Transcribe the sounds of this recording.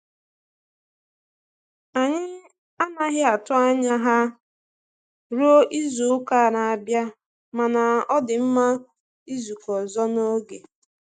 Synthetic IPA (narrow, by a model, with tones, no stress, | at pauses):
a˨ɲɪ˦ | a˦na˦ɦɪ˦a˨tʊ˦a˦ɲa˦ɦa˦ | ɾo˦ʔi˦zu˨˦ka˦˨ɾa˨a˨bja˦ | ma˨na˨ɔ˦dɪ˨m̩˦ma˦ | i˦zu˨kɔ˨zɔ˦no˦ɡe˨